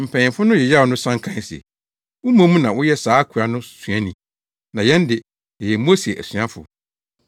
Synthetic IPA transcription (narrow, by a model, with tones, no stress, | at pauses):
m̩˨pʰɛ̃˨ɪ̃˨mfʊ˦nʊ̃˦jɛ˨ja˦˨ɔ˨nʊ̃˦sã˦ŋ˦kʰã˦n˦˨si˨ɛ̰˨ | wʊ˦mã˦mũ˦nã˨wʊ˦jɛ˦saː˨˦kʰu˨a˨nʊ̃˦sɥa˦nĩ˨ | nã˨jɛ̃˦ndɪ˨ | jɛ˨jɛ˨m˦o˦se˨ʔæ̰˨sɥa˦fʊ̰˨